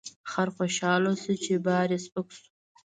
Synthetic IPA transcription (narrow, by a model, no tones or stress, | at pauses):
χaɾχoʃɑːlosɨt͡ʃʰebɑːɾespɨksu̥